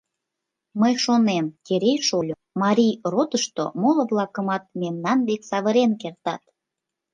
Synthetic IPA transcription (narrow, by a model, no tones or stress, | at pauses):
məjʃonemkeɾejʃolʲo | mɑɾʲijrot̪əʃt̪o̰molŏβlɑkəmɑt̪̚memnɑnβeksɑβəɾenkert̪ɑt̪